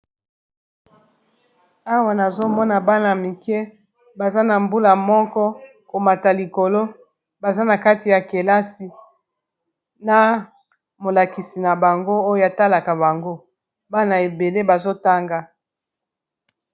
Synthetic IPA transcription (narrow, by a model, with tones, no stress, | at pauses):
a˦wa˨na˨zo˦mɔ˦na˨ba˦na˨mi˨kɛ˦ | ba˨za˦na˨mbu˦la˨mɔ˦kɔ˦ | ko˨ma˨ta˨li˨ko˨lo˦ | ba˨za˦na˨ka˦ti˨ja˨ke˨la˦si˨ | na˨ | mo˨la˨ki˨si˨na˨ba˨ŋɡo˦o˦jo˦ja˨ta˦la˨ka˨βa˨ŋɡo˦ | ba˦na˨e˨be˨le˦ba˨zo˦ta˦ŋɡa˦